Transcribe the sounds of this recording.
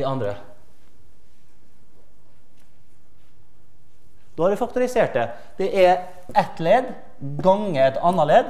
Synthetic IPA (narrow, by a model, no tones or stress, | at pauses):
iɑnd̪ɾə | d̪oːɑːʋɪːfɑkt̪ʊɾɪseːʈ̚də | d̪̥eːʔæ | ʔɛt̪leːd̪ | ɡɑŋət̪ɑnəɭeːd̪